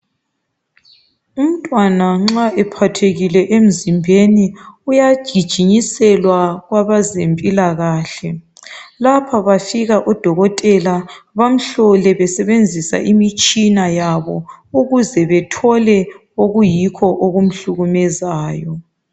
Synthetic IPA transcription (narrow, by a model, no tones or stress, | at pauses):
um̩tʼwanaŋ͡ǁaʔɛpʰatʰeɣilɛʔem̩zimbʱeniujḁʒ̥ʱid̥ʒ̥ʱiɲisɛlwaɣwaβazempʼilaɣaːɬɛ | lapʰaβafiɣaʔɔd̥ʱɔɣɔtʼɛlaβam̩ɬɔlɛβɛsɛβend͡zʱisa̰ʔimit͡ʃʼinajaβɔuɣuzɛβɛtʰɔlɛ | oɣujikʰɔʔoɣum̩ɬuɣumɛzaːjɔ